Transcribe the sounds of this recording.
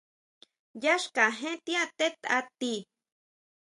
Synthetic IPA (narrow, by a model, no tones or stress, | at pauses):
jaʃkaɦẽt̪iat̪et̪at̪i